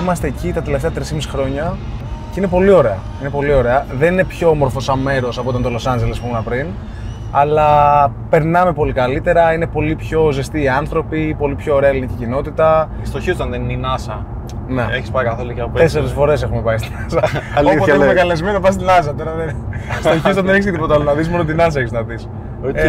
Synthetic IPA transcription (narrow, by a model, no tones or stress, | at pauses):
imɐst̪e̞ːcit̪ɐt̪e̞left̪eɐt̪ɾisimisi̥xɾo̞ɲɐ | ceinepo̞lio̞ɾe̞ɐ̰ | inepo̞lio̞ɾe̞ɐðe̞nine̞pço̞omo̞ɾfo̞sɐme̞ɾo̞sɐpoit̪ɐnt̪o̞lo̞sɐnd͡ʒelespomunɐpɾin | ɐlɐ | pe̞ɾnɐme̞po̞likɐlit̪e̞ɾɐine̞po̞lipço̞zest̪iːɐnθɾo̞pipo̞lipço̞ːɾeɐelinicicino̞t̪it̪ɐ | st̪oçiot̪ɐnðenininɐsɐ̰ | neeçispɐkɐθolicɐop̪eseɾesfo̞ɾe̞s̬e̞xume̞pɐist̪inɐsɐlooemekɐlezmenopɐst̪inɐs̬ɐt̪oɾɐðen | st̪oçiot̪ɐnðeneçiseðipot̪ɐolonɐðismo̞not̪̬inɐs̬ɐeçisznɐðis | o